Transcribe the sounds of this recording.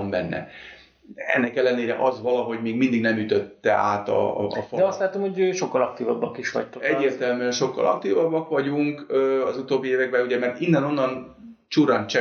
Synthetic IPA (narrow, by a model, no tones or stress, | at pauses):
mbɛnːɛ̰ | ɛ̰nːɛkɛlːɛneːɾɛ̰ʔɒzʋɒlɒɦo̞ɟmeːɡmind̪iɡnɛmyt̪øt̪ːɛa̰ːt̪ɒ̰fɒd̪ɛɒst̪laːt̪omhoɟøʃokːɒlɒk̚t̪iːvɒbːɒkiʃʋɒ̰ct̪oɛɟːeːrtt̪ɛlmyɛnʃo̞kːɒ̰lɒ̰k̚t̪iːvɒbːɒkʋɒɟuŋkøːɒzut̪oːbːieːvɛɡ̚bɛnuɟɛmɛrt̪inːɛno̞nːɒn | t͡ʃuɾɒnt͡ʃɛ